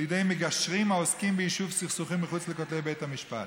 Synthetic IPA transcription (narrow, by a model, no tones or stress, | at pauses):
ljedejmeɡaʃʁimaoskimbeiʃuvsiχsuχimːiχut͡slekotlebejthamiʃpa̰t